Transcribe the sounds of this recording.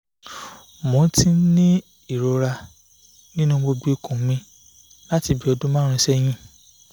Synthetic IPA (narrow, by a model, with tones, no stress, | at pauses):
mõ˨˦ti˦nĩ˦ | i˦˨ɾo˧ɾa˧ | nĩ˦nũ˦ɡ͡bo˧ɡ͡bi˦˨kũ˨˦mĩ˧ | la˦ti˧˨bi˨˦ɔ˧dũ˦mã˦ɾ̃ũ˧˦ʃɛ˦j̃ĩ˧˦